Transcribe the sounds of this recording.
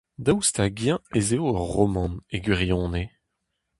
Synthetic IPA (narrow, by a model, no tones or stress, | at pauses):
d̪awst̪aɡjɛ̃ezeoœʁːɔmɑ̃neɡɥiʁjɔ̃ːne